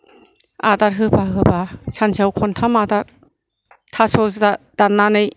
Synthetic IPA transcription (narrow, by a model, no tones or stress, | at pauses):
a̰dat̚ɦɯbaɦɯbat͡ʃʰansʰawkʰɔntʰamadat̚ | tʰasɔsdad̥anːanɯj